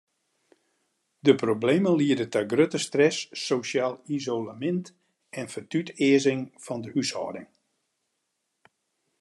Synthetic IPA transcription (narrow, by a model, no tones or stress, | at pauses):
dəproblejmənliədətɔɡrøtəstrɛsːosjaːlˠizowlamɪnt | ɛnfətytɪəzɪŋfɔndəʔysɔ̰ːdɪŋ